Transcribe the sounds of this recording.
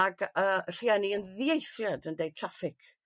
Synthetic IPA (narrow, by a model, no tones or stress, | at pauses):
aɡər̥iɛniənðiejθrjadəndej̚tʰrafɪkʰ